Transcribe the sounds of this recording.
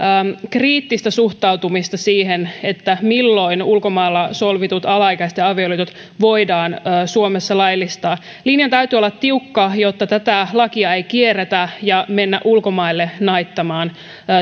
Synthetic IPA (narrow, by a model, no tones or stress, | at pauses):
əːkriːt̪ːist̪ɑsuht̪ɑuwt̪umist̪ɑsiːɦenet̪ːæmilːo̞inulkomɑilːɑsolʋit̪ut̪ɑlɑjkæset̪jɑɑʋioliːt̪ut̪ | ʋo̞idɑːnːsuomesːɑlɑjlːist̪ɑː | linjɑnt̪æyt̪yːolːɑt̪t̪ːiukːɑjot̪ːɑt̪æt̪ælɑkiɑejkieret̪æjɑme̞nːæʔulkomɑilːenɑjt̪ːɑmɑːnː